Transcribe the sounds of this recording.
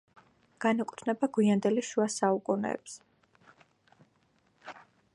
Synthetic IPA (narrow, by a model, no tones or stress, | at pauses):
ɡ̥anɛkʼu̥t̪ʰnɛbaɡwiand̪ɛliʃuasaukʼunɛ̰ːps